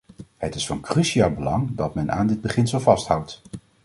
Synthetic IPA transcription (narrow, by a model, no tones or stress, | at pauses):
hətɪsfɑnkryʃiaːlˠbəlɑŋdɑtmɛna̰ːndɪd̚bəχɪnsəlˠvɑstɦʌwt